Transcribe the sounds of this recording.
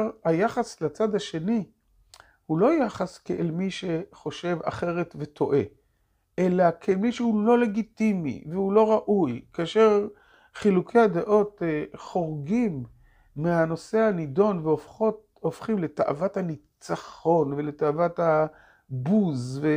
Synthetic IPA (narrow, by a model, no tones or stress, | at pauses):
hajaχaslat͡sad̪haʃe̞ni | hulo̞jaχaskeʔelmiʃe̞χo̞ʃe̞va̰χe̞ʁe̞t̪ve̞t̪ʰo̞ʔe̞ | ʔelakʰemiʃehulo̞le̞ɡit̪imḭveulo̞ʁaʔujkaaʃe̞ʁ | χilukʰe̞jad̪eʔo̞teχo̞ʁɡimː | eano̞se̞anid̪o̞nveofχot | ofχimle̞t̪aʔa̰vat̪hanit͡saχo̞nveletaavat̪ha | buzve